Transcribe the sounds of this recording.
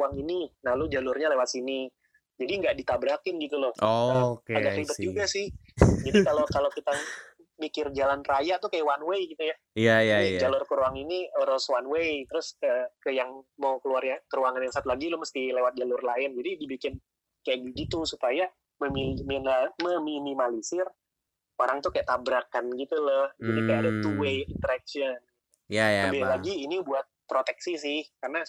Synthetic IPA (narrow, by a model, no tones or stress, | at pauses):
aŋininahlʊd͡ʒalʊrɲalewat̪sini | d͡ʒadiŋɡaʔdit̪abɾakɪnɡit̪ulʊhokaɡaklibət̪̚d͡ʒuɡasɪhd͡ʒadikalokalokit̪a | mikɪrd͡ʒalanrajat̪ukajawanwejɡit̪uja | ijajad͡ʒalʊrkəɾuaŋiniɾɔswanwejt̪əɾʊskəkəjaŋmawkəluarjakəɾuaŋanjaŋsat̪ulaɡilʊhməst̪ilewat̪̚d͡ʒalʊrlaɪnd͡ʒadidibikɪn | kajaʔɡiɡit̪usupaja | məmiminməminimalisɪr | oɾaŋt̪ukajaʔt̪abɾakanɡit̪ulɔhɡinikajaadat̪uwejint̪əɾak̚ʃən | jaabilaɡiːnibuat̪̚pɾot̪ɛksisɪhkarna